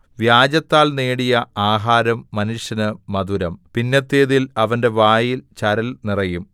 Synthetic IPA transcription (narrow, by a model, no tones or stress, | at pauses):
ʋjaːd͡ʑɐt̪ːaːlneːɽijɐaːɦaːɾɐmːɐnuʂjɐnɨmɐðuɾɐmpinːɐt̪ːeːðilɐʋɐnde̞ʋaːjilt͡ɕɐɾɐlnirɐjum